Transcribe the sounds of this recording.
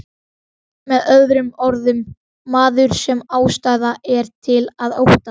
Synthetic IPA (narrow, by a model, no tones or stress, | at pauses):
mɛðœððɾʏmɔɾðʏmː | aːðʏɾ̥sɛmaːwst̪aːjðaʔɛɾ̥t̪ʰɪlaðowht̪a